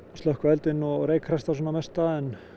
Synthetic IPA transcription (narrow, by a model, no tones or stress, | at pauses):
st̪œhkvɛlt̪ɪnɔɣreːjkʰrɛst̪asɔːnamɛst̪aɛn